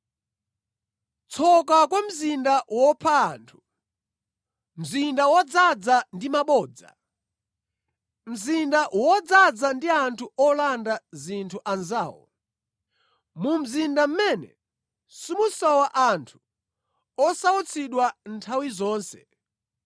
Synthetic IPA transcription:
t͡sʰɔkakwam̩zindawɔpʰaːntʰu̥ | m̩zindawɔd͡zad͡zandimaɓɔːd͡za̰ | m̩zindawɔd͡zad͡zandiantʰuɔlandazintʰuʔanzaːwɔ̰ | mum̩zindam̩mɛnɛ̰ | sumusɔwaʔantʰu̥ | ɔsaut͡sʰiɗwantʰawizɔːnsɛ̥̰

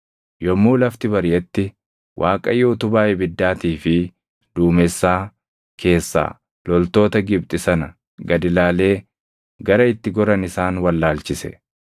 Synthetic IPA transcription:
jɔmːuːlɐft̪ɪbɐɾjɛt̪ːɪ | wʔaːkʼɐjːɛʊt̪ʊbaːʔɛbɪd̪ːaːt̪iːfɪ | d̪̥uːmɛsːaː | kʰe̞ːsːa̰ː | lɔlt̪o̞ːt̪ɐɡɪb̚t̪ʼɪsɐnɐ | ɡɐd̪ɪlaːle̞ː | ɡɐɾɐɪt̪ːɪɡɔɾɐnɪsaːnwɐlːaːlt͡ʃɪsɛ̰

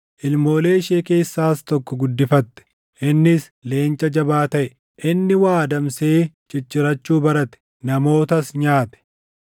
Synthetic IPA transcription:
ʔɪlmo̞ːle̞ːʃeːke̞ːsːaːst̪ɔkːɔɡʊd̪ːɪfɐt̪ːɛ̥ | ʔɪnːɪs | le̞ːnt͡ʃʼɐd͡ʒɐbaːt̪ɐʔɛ | ʔɪnːɪwaːd̪ɐmse̞ː | t͡ʃɪt͡ʃʼːɪɾɐt͡ʃːuːbɐɾɐt̪ɛ̥ | nɐmo̞ːt̪ɐsɲaːt̪ɛ̥

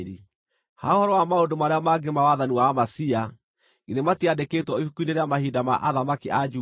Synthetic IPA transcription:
ɾi | haohɔɾɔwamaondomaɾeamaɡemawaðaniwamasia | ɡiðematiadekeːtwɔihukuineɾeamahidama̰ʔaðamakiʔad͡ʒu

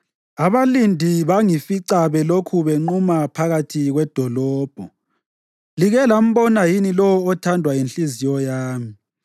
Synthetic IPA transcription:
aβalindʱiβaŋifiǀaβɛlokʰuβeŋ͡ǃumapʰaɣatʰiɣwɛd̥ʱɔlɔːb̥ʱɔ | liɣɛlam̩βɔnajinilɔwɔɔtʰandʱwajinɬizijɔjaːmi

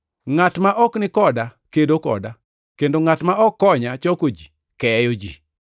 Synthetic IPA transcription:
ŋatmaʔɔknɪkɔdakedokɔ̰da | kendoŋatmaʔɔkːɔɲat͡ʃɔkod͡ʒi | kɛjod͡ʒi

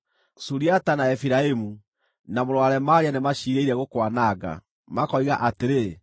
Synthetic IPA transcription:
suɾiatanaɛfiɾaemu | namoɾowaɾɛmaɾianemaɕiːɾeiɾɛɣokwanaɡa̰ | makɔiɣaʔateɾe

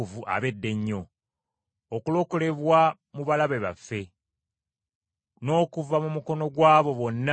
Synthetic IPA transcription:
uvuʔa̰βe̞dːe̞ɲːo̞ː | kulo̞kole̞βwa | muβalaβeβa̰fːe̞ | no̞ːkuvamumuko̞no̞ɡwaːβo̞βo̞nːa

